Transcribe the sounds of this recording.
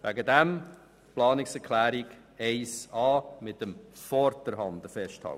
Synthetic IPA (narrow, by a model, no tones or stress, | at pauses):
ʋæɡədɛm | plɑːnɪksɛɾkʰlæːɾiɡ | ɛɪsɑːmɪtəmfɔɾtəɾhɑndəfɛsthɑ̰lt